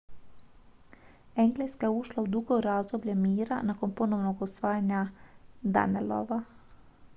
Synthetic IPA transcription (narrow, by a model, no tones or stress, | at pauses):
ɛŋɡleskajɛuʃlaud̪uɡoɾazd̪oblʲjɛmiːɾa̰nakonponownoɡausʋaːjanjad̪a̰nelo̰ʋa